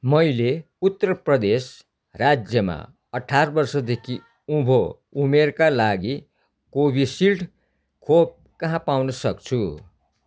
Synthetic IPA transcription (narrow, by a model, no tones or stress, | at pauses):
mʌjle | ut̪ːʌrʌprʌd̪es | rad͡zjʌma̰ | ʌʈʰːarbʌrsʌd̪ekʰi | ũbʱo | umerkalaɡi | kobʱisilʈ | kʰob̚ | kʌɦãpawnʌsʌkt͡sʰu